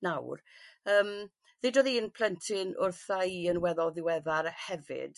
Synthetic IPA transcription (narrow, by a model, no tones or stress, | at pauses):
nawrəːm | ðedoːðiənpʰl̥əntʰɪnʊrθaiənwɛðɔðɪwɛðarhɛvɪ̰d̥